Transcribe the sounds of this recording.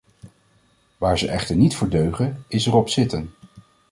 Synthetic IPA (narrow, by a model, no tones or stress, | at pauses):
ʋaːɹzəʔɛχtəɹnitfʊːɹdøɥχənɪsɛrɔpsɪtən